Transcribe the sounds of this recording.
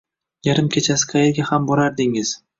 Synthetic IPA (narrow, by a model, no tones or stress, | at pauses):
jaɾɪmkʲʰet͡ʃʰasɪ̥qʰɑjeɾɡʲahambɒɾaɾd̪ɪŋɪz̥